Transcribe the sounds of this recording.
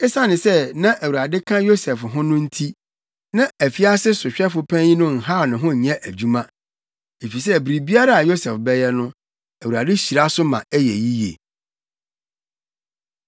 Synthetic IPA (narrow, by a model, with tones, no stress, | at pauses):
ɛ˦sã˦nɪ̃˨sɛ˦nã˦ʔæ˨wu˨ɾa˨dɪ˦kʰã˦jo˦sɛ˨fɦʊ̃˦nʊ̃˦n̩˦tʰi˦ | nã˦æ˨fi˦a˦sɪ˦sʊ˨ɕᶣɛ˦fʊ˦pʰɛ̃˦i˦nʊ̃˦ŋ̩˨ɦa˦˨nʊ̃˨ɦʊ̃˦˨ɲɛ̃˦ʔæ˨d͡ʑu˦mã˦ | e˨fi˨s̬ɛ˦˨bɾi˨bi˦a˦ɾa˦˨a˨jo˦sɛ˨fbɛ˦jɛ˦nʊ̃˦ | æ˨wu˨ɾa˨dɪ˦ɕi˨ɾa˦sʊ˦mã̰˨ɛ˦jɛ̰˨ji˦jḛ˨